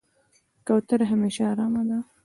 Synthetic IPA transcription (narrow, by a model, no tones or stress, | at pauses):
kawt̪əɾɦameʃaːɾɑmad̪a